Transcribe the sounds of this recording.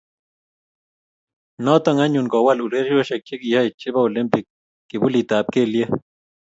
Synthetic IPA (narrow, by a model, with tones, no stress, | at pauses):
no˦t̪aŋa˦ɲunko˨walu˨ɾe˦ɾjo˦ʃe˨k̚t͡ʃi˦kiha˦it͡ʃi˦βa˦o˨li˦mpi˨k̚ː | i˨βu˦lit̪a˨p̚ke˦lje˦